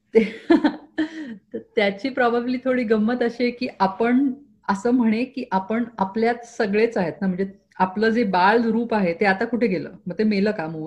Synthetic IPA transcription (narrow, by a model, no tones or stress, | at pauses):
t̪e | t̪əɾt̪jat͡ɕiːpɾɔbʱabiliːt̪ʰoɽiːɡəmːət̪əɕikiːʔapəɳ | əsəːm̤əɽ̃ekiːʔapəɳapljat̪səɡɭet͡saɦet̪nam̤əɳd͡ze | apləːd͡zebalɾuːpaɦet̪eat̪akuʈʰeɡelə̰ːməɡ̚t̪emeləːkaməɡul